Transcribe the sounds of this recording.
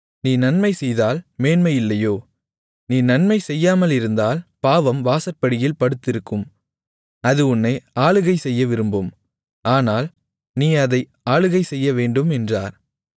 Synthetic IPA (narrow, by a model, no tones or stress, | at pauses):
niːnɐnmɐɪsɛjðaːlmeːnmɐɪjɪlːɐjoː | niːnɐnmɐɪsɛjːaːmɐlɪɾɯnd̪aːlpaːʋɐmʋaːsɐɾpːɐɽɪjɪlpɐɽɯt̪ːɪɾɯkːɯm | ɐðɯʊnːɐɪaːɭɯɣɐɪsɛjːɐʋɪɾɯmbɯm | ʔaːnaːl | niːɐðɐɪ | aːɭɯɣɐɪsɛjːɐʋeːɳɖɯmɛndraːɾ